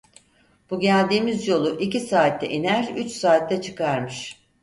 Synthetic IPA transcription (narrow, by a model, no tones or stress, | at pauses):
b̥uɟælʲd̪iːmizjo̞lˠuʔicisaːt̪ʰːɛ̰ʔinæɾyt͡ʃsaːt̪ːɛt͡ʃʰɯ̥kaɾmɯʃ